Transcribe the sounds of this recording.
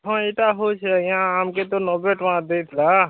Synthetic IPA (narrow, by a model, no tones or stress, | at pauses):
ɦãeʈaɦot͡ʃʰej̃ãamket̪onoːbeʈʋãd̪et̪ʰla